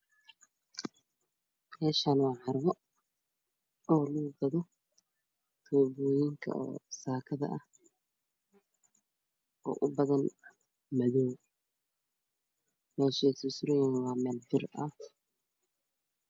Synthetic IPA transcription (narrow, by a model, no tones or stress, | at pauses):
mɛːʃaːnwɑːʕɑɾɐβɔ | ʔɔːluɡɐðɔ | t̪ʰɔːbɔːjɪŋkʰɐ̰ɔ̰ːsaːkʰɐðɐ̰ʔɐh | ʔɔ̰ːʔʊbɐðɐn | mɐðɔw | mɛːʃɛːsʊsɾɪjanwɑːmɛːlbɪrɐ